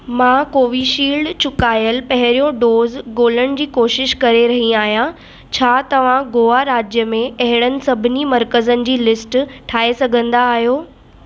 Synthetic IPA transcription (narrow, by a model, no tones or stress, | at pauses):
mãːkoːʋiʃiːlɖt͡ɕʊkaːjəlpɐɦɪɾijõɖoːzɡoːləɽ̃d͡ʑiːkoːʃɪʃkɐɾeɾɐɦĩaːɦijã | t͡ɕʰaːt̪ɐʋ̤ãɡoːaɾaːd͡ʑjəmẽɐɦɪɽ̃ənɪ̆sɐbʱɪnimɐɾkəzənɪ̆d͡ʑiːlɪsʈʈʰaːesɐɡʱə̃nd̪aːɦijoː